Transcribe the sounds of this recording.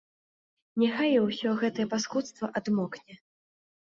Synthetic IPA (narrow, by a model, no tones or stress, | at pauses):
nʲaxajwsʲɔɣɛt̪ɐjɛpaskut̪st̪vɐʔad̪mɔknʲɛ